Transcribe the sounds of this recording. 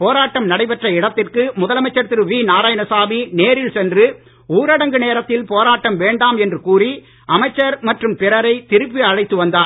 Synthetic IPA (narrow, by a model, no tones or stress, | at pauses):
poːɾaːʈːɐmnɐɽɐɪpɛʈrɐɪɽɐt̪ːɪrkɯmʊðɐlɐmɐɪt͡ʃːɐɾt̪ɪɾɯʋiːnaːɾaːjɐnɐsaːmineːɾɪɭsɛndrɯ | uːɾɐɽɐŋɡɯneːɾɐt̪ːɪlpoːɾaːʈːɐmʋeːɳɖaːmɛndrɯkuːri | ʔɐmɐɪt͡ʃːɐɾmɐʈrɯmpɪɾɐɾɐɪt̪ɪɾɯpːiɐɻɐɪt̪ːɯʋɐnd̪aːɾ